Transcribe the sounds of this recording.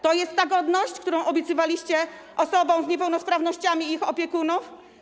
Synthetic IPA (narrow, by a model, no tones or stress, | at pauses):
t̪ɔjɛst̪ːaɡɔd̪nɔɕt͡ɕkt̪uɾɔ̃w̃ʔɔbʲjɛt̪sɘvalʲiɕt͡ɕɛ | ʔɔsɔbɔ̃w̃zɲɛpɛwnɔspɾavnɔɕt͡ɕamʲiixɔpʲjɛkunuf